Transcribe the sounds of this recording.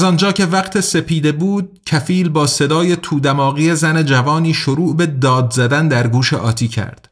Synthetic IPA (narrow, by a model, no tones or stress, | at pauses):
zɒnd͡ʒɒːcʰe̞væqt̪ʰese̞piːd̪e̞buːd̪̚cʰæfiːlbɒːse̞d̪ɒːje̞t̪ʰuːd̪æmɒːɣije̞zæned͡ʒævɒːniːʃoɾuːʔbe̞d̪ɒːd̪zæd̪ænd̪æɾɡuːʃe̞ʔɒːt̪ʰiːcʰæ̰ɾd̪̥